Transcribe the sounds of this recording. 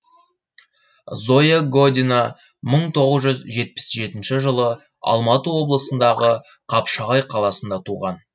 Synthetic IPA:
zo̞jeɡo̞d̪ʲina | məɴt̪ʰo̞ʁəzʒʏzʒe̞t̪̚pɪ̥sʒe̞t̪ɪnʃɪʒəlˠə | ɑ̰lˠmɑt̪əwo̞blˠəsənd̪ɑʁə | qʰɑpʃɑʁɑjqʰɑlˠɑsənd̪ɑt̪ʰuʁɑn

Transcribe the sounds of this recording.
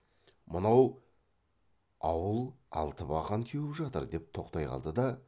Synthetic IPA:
mənɑw | ɑwəlˠɑ̰lˠt̪əpɑʁɑnk̪ʲʰewɪpʒɑt̪əɾd̪e̞p̚t̪ʰo̞qt̪ɑjqɑ̰lˠd̪əd̪ɑ

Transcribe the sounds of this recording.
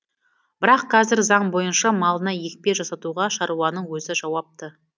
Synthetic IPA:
b̥ɪɾɑqʰːɑzɪɾzɑɴbo̞jənʃɑmɑlˠənɑje̞k̚ʲpe̞ʒɑsɑt̪uʁɑʃɑɾuwɑnəɴwɵzɪʒɑwɑp̚t̪ə

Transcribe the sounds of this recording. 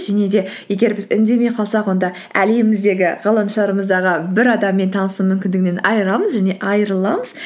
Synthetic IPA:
ʒæne̞d̪e̞je̞ɡʲe̞ɾbɪzɪ̰nd̪e̞meqʰɑlˠsɑqwo̞nd̪ɑ | æleɪmɪzd̪e̞ɡʲɪʁɑlˠəmʃəlˠɑɾəməzd̪ɑʁəbɪɾɑd̪ɑmːe̞nt̪ʰɑnəsumʏmkʲɪnd̪ɪɡʲɪne̞nɑjəɾɑməzʒæne̞ʔɑjəɾəlˠɑməz̥

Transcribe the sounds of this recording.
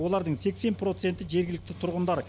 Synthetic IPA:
o̞lˠɑɾd̪əɴse̞kse̞npro̞t̪se̞nt̪ɪʒe̞ɾɡʲɪlɪk̚t̪ɪt̪ʰʊɾʁənd̪ɑɾ

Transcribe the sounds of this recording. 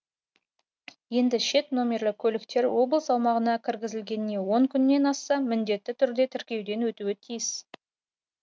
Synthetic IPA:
je̞nd̪ɪʃe̞t̪no̞mʲe̞rlˠɪkʲʰɵlɪkt̪e̞ɾwo̞blˠəsɑwmɑʁənɑkʲʰɪɾɡʲɪzɪlɡʲe̞nɪne̞wo̞ŋkʲʰʏnːe̞nɑsɑmɪnd̪e̞t̪ːɪt̪ʰʏɾd̪e̞t̪ʰɪɾkʲe̞wd̪e̞nwɵt̪uɪt̪ʰijɪs

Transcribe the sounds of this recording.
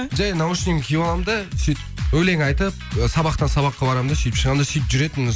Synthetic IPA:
ʒæjnɑwəʃəneŋkʲʰejbolˠɑmd̪ɑsit̪ɪpɵle̞ŋɑjt̪əpsɑbɑqt̪ɑsɑβɑqːɑbɑɾɑmd̪ɑset̪ɪpʃəʁɑmd̪ɑset̪ɪpʒʏɾe̞t̪ɪn

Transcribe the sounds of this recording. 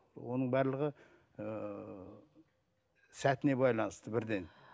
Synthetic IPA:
wo̞nəɴbæɾlˠəʁə | ə | sæt̪ɪne̞bɑjlˠɑnəst̪əbɪɾd̪e̞n

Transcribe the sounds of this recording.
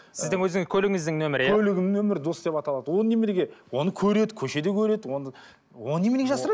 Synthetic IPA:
sɪzd̪ɪŋwɵzɪŋɪz̥kʲʰɵlɪɡʲɪŋɪzd̪ɪŋnɵmɪɾɪkjʰʲɵlɪɡʲɪŋnɵmɪɾd̪o̞sd̪e̞pɑt̪ɑlˠɑd̪əwo̞nne̞meɾeɡʲe̞wo̞nəkʲʰɵɾe̞d̪ɪkʲʰɵʃe̞d̪e̞kʲʰɵɾe̞d̪ɪwo̞nə | wonːe̞meeɡʲeʒɑsəɾɑd̪

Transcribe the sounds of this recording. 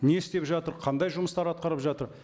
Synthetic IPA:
ne̞ɪst̪e̞pʒɑt̪əɾqʰɑnd̪ɑjʒʊməst̪ɑɾɑt̪̚qɑɾəpʒɑt̪əɾ

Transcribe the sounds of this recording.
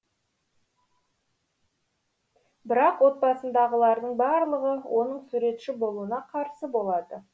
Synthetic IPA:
bɪɾɑqwo̞t̪̚bɑsənd̪ɑʁəlˠɑɾd̪əɴbɑɾlˠəʁəwʔo̞nəɴsuɾe̞t̪ʃɪbo̞lˠuənɑqʰɑɾsəbo̞lˠɑd̪ə

